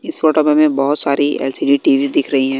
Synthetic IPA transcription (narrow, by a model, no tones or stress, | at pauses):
ɪsfoːʈəpemẽbɔɦʊt̪saːɾiɛ̰ːlsiːɖiʈiːʋizd̪ɪkʰɾɐɦiɦɛ̃ː